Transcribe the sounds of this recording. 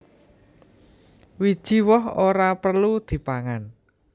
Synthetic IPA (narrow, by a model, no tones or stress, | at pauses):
wid̥ʒ̥i̤wɔɦoɾapərlud̪̥i̤paŋan